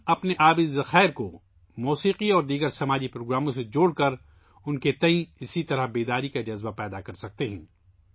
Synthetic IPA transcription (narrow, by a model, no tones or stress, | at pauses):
ɐpneʔaːbizɐxaːɪɾko | muːsiːqiɔːɾd̪iːɡəɾsɐmaːd͡ʒipɾoːɡɾaːmõsed͡ʒoːɽkɐɾ | ʊnket̪ɐ̃ĩɪsit̪ɐɾəɦbeːd̪aːɾikad͡ʒɐzbapɛːd̪akɐɾsɐk̚t̪eɦɛ̰̃ː